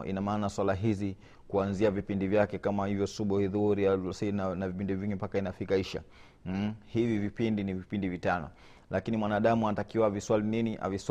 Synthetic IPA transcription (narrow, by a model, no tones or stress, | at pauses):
ḭnamaːnaswalaɦizi | kuanziavipindivjakɛkamahivjɔsuɓuhiðuɾisinanavipindiviŋɡimpakainafikaiʃa̰ | hivivipindinivipindivitanɔ̰ | lakinimwanaːɗamuanatakiwaviswalininiʔa̰vis